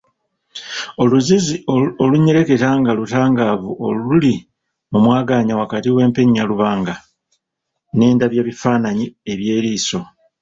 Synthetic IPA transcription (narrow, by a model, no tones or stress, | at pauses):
o̞luzizioluɲeɾe̞ke̞taːŋɡalutaːŋɡaːβuʔouli | mumwaːɡaːɲawakatiwe̞ːmpe̞ɲːaluβaːŋɡa | ne̞ːndaβje̞ːβifaːnaɲie̞βje̞ːɾiːso̞